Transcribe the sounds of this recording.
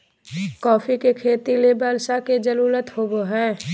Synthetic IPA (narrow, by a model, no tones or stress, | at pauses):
kɔːfʰikekʰeːt̪ilebəlsaked͡ʒəɾuːlət̪hoboɦɛ̃ː